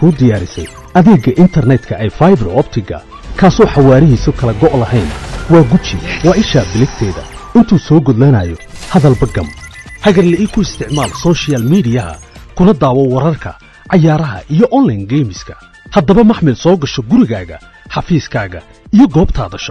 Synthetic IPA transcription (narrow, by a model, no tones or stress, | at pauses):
kʰuːd̪ɪjaːɾɪsɛ̰j | ʔɐðɛːɡɐʔɪnt̪ʰɐrnɛd̪kʰɐʔɛjfajbɛrɔbt̪ʰɪɡɐ̰ | kʰaːsɔːħɑwaːɾɪɦiːsʊkʰɐlɐɡɔʔlɐɦɛjnwɑːɡʊt͡ʃʰɪwɑːʔɪʃaːbɪlɪɡt̪ʰɛːðɐ̰ɪnt̪ʰuːsɔːɡɔd̪lanajɔhɐðɐlbɐɡɐmħɑɣɐrlɛikʰʊɪst̪ʰɪʕmaːlsɔːʃɪaːlmiːdɪjɐɦɐ̰kʰʊnɐd̪aːwɔwɐɾɐrkʰɐ̰ | ʕɑjaːɾɐɦɐ̰ʔijɔʔɔnlɐjnɡɛjmɪskʰɐ̥ | hɐd̪ɐβɐmɐħmɪlsɔːɡɐʃɔɡʊɾɪɣaːɣɐ̰ | ħɑfiːskʰaːɣɐ̰ | ijɞɡɔːbt̪ʰa̰ːðɐʃɔ̥